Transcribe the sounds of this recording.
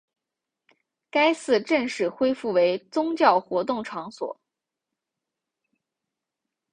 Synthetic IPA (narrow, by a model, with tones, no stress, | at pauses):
ka˥ɪsɹ̩˥˧ʈ͡ʂə˥˧ŋʂɻ̩˥˩xwe˥ɪfu˥˩we˧˥ɪt͡sʊ˥ŋt͡ɕjɑ˥˩ʊxwɔ˧˥t̪ʊ˥˩ŋʈ͡ʂʰɑ˧˥ŋswɔ̰˨˩˦